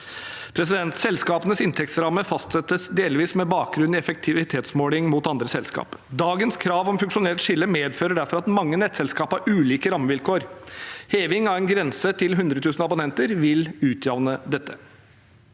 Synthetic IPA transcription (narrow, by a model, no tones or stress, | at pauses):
pʰɾɛs̬ɪd̪ɛnt̪sɛlskɑːpənəsɪnt̪ʰɛk̚t̪sɾɑmːəfɑst̪sɛt̪ːəsd̪eːlʋiːsmɛbɑːk̚ɡɾʉnɪɛfək̚t̪ʰɪʋɪt̪ʰeːt̪smoːlɪŋmuːt̪ɑnd̪ɾəsɛlskɑ̰ːpd̪ɑːɡənskʰɾɑːʋɔmfʉŋkʂʊnɛːlt̪ʂɪlːəmeːd̪føːɾəɖæɾfɔɾɑt̪mɑŋːənɛt̪sɛlskɑːpɑɾʔʉːliːkəɾɑmːəʋɪlkʰoːɾheːʋɪŋɑʋɛnɡɾɛnsət̪ʰɪlɦʉnd̪ɾət̪ʰʉːsnɑbʊnɛnt̪əɾʋɪlʉːt̪ʰjɑʋnəd̪ɛt̪ːə